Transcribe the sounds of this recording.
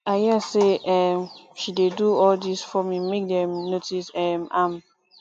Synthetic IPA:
aɪɦiɛseɛmʃideduɔldisfɹɔ̃mĩnmek̚dɛ̃mnotʰisɛmãm

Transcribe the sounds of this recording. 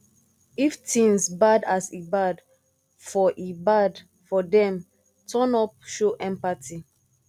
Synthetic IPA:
iftʰĩŋsbadasibad | fɔʔibad | fɔdɛ̃m | tʰɔ̃nɔp̚ʃoʔɛ̃mpatʰi

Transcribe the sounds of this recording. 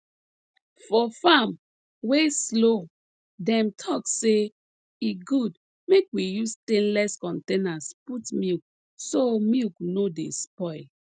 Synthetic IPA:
fɔfam | weslo | dɛ̃mtʰɔkse | iɡud | mekwijustẽnlɛskɔ̃ntẽnasputmik | somiknodḛspɔɪl

